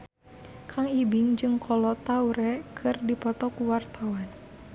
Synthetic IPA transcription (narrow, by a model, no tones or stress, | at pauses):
kʰaŋibiŋd͡ʒɨŋkʰɔlɔt̪auɾɛkʰɨrdipɔt̪ɔkuwart̪awan